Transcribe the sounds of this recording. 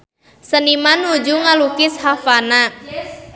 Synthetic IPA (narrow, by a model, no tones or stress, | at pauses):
sənimanud͡ʒuŋalukɪshafana